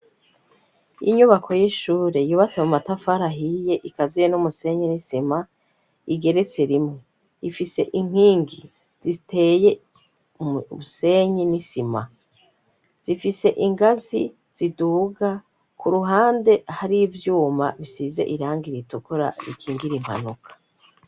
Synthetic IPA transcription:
ḭɲuβakʰo̞jeʃuːɾe̞juːβat͡se̞mumatafaɾaɦije̞ʔikazijenumuse̞ɲenisima | iɡe̞ɾe̞t͡seɾimŋe | ifise̞̰ʔiŋ̥hiːŋɡi | z̥itʰe̞ːje̞ | βuse̞ɲinisima̰ | z̥ifise̞ʔiŋɡazi | z̥iduːɡa | kuɾuɦaːnde̞haɾivjuːmaβisize̞̰ʔiɾaːŋɡiɾitukuɾa̰ɾḭkʰiːŋɡiɾimha̰nukʰḁ

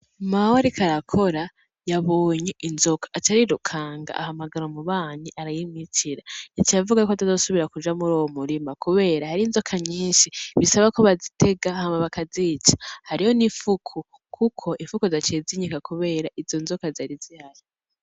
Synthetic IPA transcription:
mawaɾikʰaɾakʰo̞ɾa | jaβoːɲe̞ʔinzo̞kḁʔtaɾiɾukʰaːŋɡa̰ʔa̰hamaɡaɾomuβaːɲiʔaɾajimitʰiɾajat͡ʃijavuɡajukoatazosuβiɾakud͡ʒamuɾowomuɾimakuβe̞ːɾahaɾiːnzo̞kʰaɲiːnʃiβisaβakoβazitʰe̞ɡahamaβakaziːt͡ʃḁhaɾiho̞niɱfukʰu | kʰukʰo̞ʔiɱfukuzat͡ʃeːziɲikakʰuβe̞ːɾaʔizo̞nzokazaɾizihaɾi

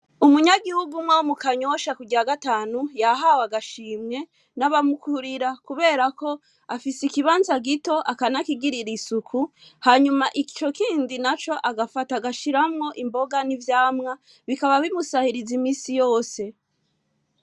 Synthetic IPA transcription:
umuɲaɡihuɡumŋwawumukaɲo̞ʃakuɡiɾaɡataːnujaɦawaɡaʃiːmɲe̞ | naβamukʰuɾiɾakuβe̞ːɾako̞ | afisikiβaːnzaɡito̞ʔakanakiɡiɾiɾisukʰuhaɲumaʔit͡ʃo̞kʰiːndinat͡ʃo̞ʔaɡafataɡaʃiɾamŋo̞ʔimbo̞ɡanivjaːmŋa | βikaβaβimusahiɾizimiːsijo̞ːse̞

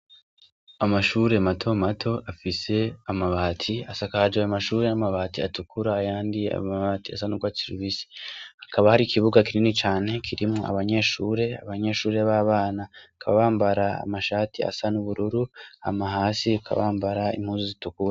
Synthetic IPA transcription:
amaʃuːɾe̞matʰo̞matʰo̞afise̞amaβaːtʰiasakahad͡ʒaamaʃuːɾe̞namaβaːtia̰tukʰuɾaːjaːndia̰maβaːtia̰sanuɡwaːsiɾiβisi̥hḁkʰaβahaɾikʰiβuɡakininit͡ʃaːne̞kʰiɾimŋoʔa̰βaɲe̞ʃuːɾe̞a̰βaɲe̞ʃuːɾe̞βaːβaːnakʰaβa̰βaːmbaɾaa̰maʃaːtʰia̰sanuβuɾuɾua̰mahaːsiakʰa̰βaːmbaɾaḭm̥huːnzuzitukuɾa

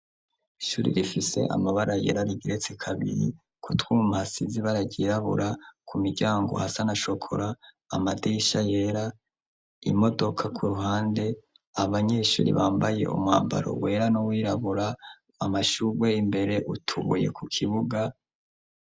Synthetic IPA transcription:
iʃuːɾḭɾifise̞̰ʔa̰maβaɾaje̞̰ɾaɾiɡiɾe̞t͡sekʰaβḭɾḭ | kutwuːmahasiziβaɾaɟiːɾaβṵɾakʰumiɟaːŋɡo̞̰hasanaʃo̞kʰo̞̰ɾaː | madiʃaje̞ɾa | ḭmo̞do̞kʰakʰuɾuhaːnde̞ | aβaɲe̞ʃṵːɾḭβaːmbaje̞̰ṵmŋa̰ːmba̰ɾo̞̰we̞ɾanowiːɾaβuɾaː | maʃuɡwe̞imbe̞ɾe̞ʔutʰuβuje̞̰kukʰiβuɡa

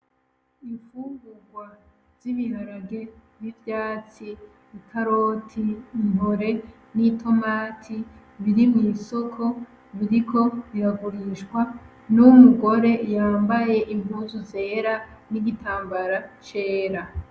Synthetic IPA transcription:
iɱfuːɡuɡwa | z̥iβihaɾaɡe̞βivjaːt͡si | ikʰaɾotʰiːmɦo̞ɾe̞ | nitʰo̞maːtʰi | βiɾimŋiːso̞kʰo̞ | βiɾikʰo̞βiɾaɡuɾiʃkwa | nuwumuɡo̞ɾe̞jaːmbaje̞ʔiɱvuzuze̞ːɾa | niɡitʰaːmbaɾat͡ʃeːɾa

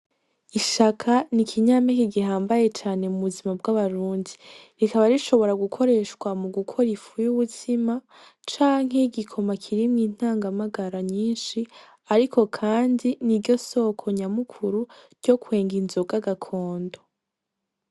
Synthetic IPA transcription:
iʃakʰanikʰiɲaːmekiɡiɦaːmbaje̞t͡ʃaːne̞muβuzimab̚ɡaβaɾuːndiɾikaβaɾiʃo̞βo̞ɾaɡukʰo̞ɾe̞ːʃkwamuɡukʰo̞ɾifujuβutʰima | t͡ʃaːŋ̥ɦe̞ɡikʰo̞makʰiɾimŋiːn̥aːŋɡamaɡaɾaɲiːnʃi | aɾikʰo̞kʰaːndiniɾɟo̞so̞ːkʰo̞ɲamukʰuɾuɾɟ̥o̞kwe̞ːŋɡinzoɡaɡakʰo̞ːndo̞

